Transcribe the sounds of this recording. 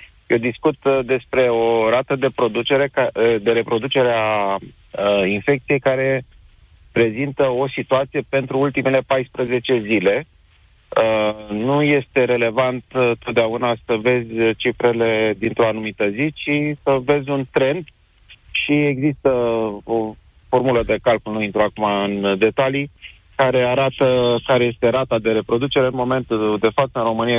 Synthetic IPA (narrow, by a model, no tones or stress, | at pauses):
jewd̪iskut̪d̪e̞spɾe̞o̞ɾat̪əd̪e̞pɾo̞d̪ut͡ʃeɾead̪e̞ɾe̞pɾo̞d̪ut͡ʃe̞ɾea | infe̞k̚t̪sije̞jkaɾe̞ | pɾe̞zint̪əo̞sit̪uat̪sije̞pe̞nt̪ɾuult̪ime̞le̞pajspɾəze̞t͡ʃe̞zile̞ | ənuje̞st̪e̞ɾe̞le̞vant̪t̪ːo̞t̪̚d̪eaunasəve̞zʲt͡ʃifɾe̞le̞d̪int̪ɾo̞anumit̪əzit͡ʃisəve̞zʲunt̪ɾe̞nd̪ | ʃieɡzist̪əo | fo̞rmuləd̪e̞kalkulnuint̪ɾuakumaɨnd̪e̞t̪ali | kaɾe̞aɾat̪əkaɾe̞je̞st̪e̞ɾat̪ad̪e̞ɾe̞pɾo̞d̪ut͡ʃe̞ɾɨnmo̞me̞nt̪ud̪e̞fat̪səɨnro̞mɨnia